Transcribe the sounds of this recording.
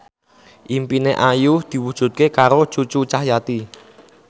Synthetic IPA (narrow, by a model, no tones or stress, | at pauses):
ʔimpineʔajuhd̪̥i̤wud̥ʒ̥ṳt̪̚kekaɾo̥t͡ʃut͡ʃut͡ʃahjat̪i